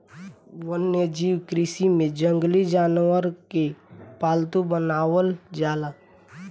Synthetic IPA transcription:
wənəd͡ʒiːwkɾɪsimẽd͡ʒə̃ŋɡlid͡ʒaːnwəɾkepaːlt̪ũbənaːwəld͡ʒaːlaː

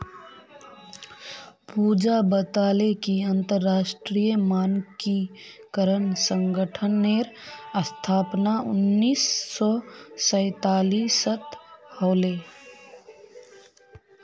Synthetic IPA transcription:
puːd͡ʒabət̪aːlekiənt̪əɾːaːʃʈɾiːjəmaːnki | kəɾənsə̃ŋɡəʈʰəneɾəst̪ʰaːpnaʊnːiːsːɔsəɪt̪aːliːsət̪hoːle

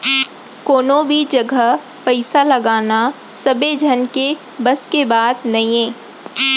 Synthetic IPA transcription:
koːnõbʱid͡ʒɐɡʱəɦ | pɐɪsalɐɡaːna | sɐbed͡ʒʱɐnke | bɐskebaːd̪nɐɦĩẽː

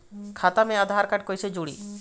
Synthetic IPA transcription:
kʰat̪amead̪ʱaaɾkaʈ̚kojt͡ɕʰed͡ʑuɽḭ

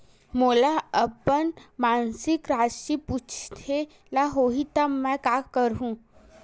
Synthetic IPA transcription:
moːlaəpənmaːnsɪkɾaːʃiput͡ʃʰt̪ʰe | laɦoːɦit̪əmːɛ̃kaːkəɾɦũː

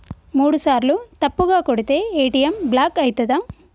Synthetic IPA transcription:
muːɽusaːɾlut̪ɐpːuɡaːkoɽit̪e̞ːeːʈijɐmblaːkɐjt̪ɐd̪aː

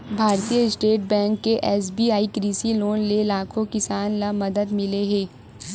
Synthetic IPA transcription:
bʱaːɾt̪ijəɪsʈeːʈ̚bɛ̃ːŋkːeʔɛːs̬biaːikɾiːsiloːnlelaːkʰõkɪsaːnlamɐd̪əd̪mɪleɦɛ̃ː

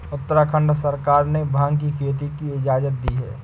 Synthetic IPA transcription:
ʊt̪ːəɾakʰə̃ɳɖsəɾkaːɾnebʱaːŋɡkikʰeːt̪̬ikiɪd͡ʒaːzət̪̚d̪iɦɛ̰ː

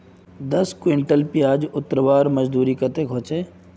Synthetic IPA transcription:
d̪ɐskwɪ̃ɳʈəlpjaːd͡ʒʊt̪ːəɾəʋaːɾməd͡ʒd̪uːɾikɐt̪ekʰõːt͡ʃeː

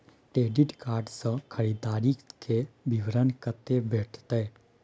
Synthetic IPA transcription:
ʈɾeːɖiʈkaːɾɖsə̃kʰəɾid̪aːɾikebiʋɾənkət̪ebʱeːʈʰt̪eː

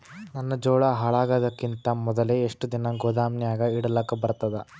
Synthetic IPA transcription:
nɐnːɐd͡ʒɔːɭɐɦɐɭaːɡaːd̪ɐkːint̪ɐmɔd̪ɐleːʂʈud̪inɐɡɔːd̪aːmnjaːɡɐiɽɐlɐkːɐbɐɾt̪ɐd̪ɐ

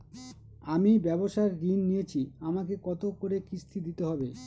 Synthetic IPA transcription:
amibɛboʃaɾːinːijet͡ɕʰiamakekɔt̪okoɾekɾist̪ʰid̪it̪eɦɔbe

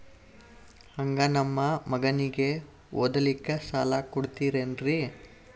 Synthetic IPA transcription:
hɐŋɡɐnɐmːɐmɐɡɐniɡe̞ | oːd̪ɐlikːɐsaːlakɔɽt̪iːɾenɾi

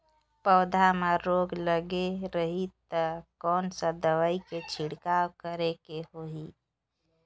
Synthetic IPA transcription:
pəːd̪ʱamaɾoːɡləɡeɾəɦit̪əkɔːnsəd̪əʋəiket͡ʃʰiɽkawkəɾekehoɦi

